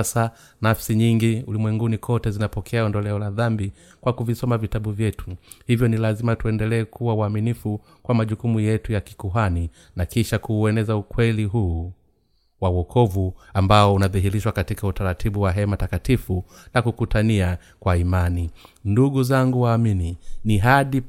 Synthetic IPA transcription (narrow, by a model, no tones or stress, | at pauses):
sa | nafsiɲiŋɡiulimwɛŋɡunikʰɔtɛzinapɔkʰɛaɔndɔlɛɔlaðambi | kwakuvisɔmavitaɓuvjɛtu̥hivjɔnilazimatuɛndɛlɛːkuwauaminifu | kwamaʄukumujɛtujaki̥kuɦani | nakiʃakuːɛnɛzaukwɛliɦuː | wauwɔkʰɔvuambaɔunaðiɦiɾiʃwakatikautaɾatʰiɓuwaɦɛmatakatifunakukutʰania | kwaimaninduɠuzaŋɡuwaːmininiɦaɗi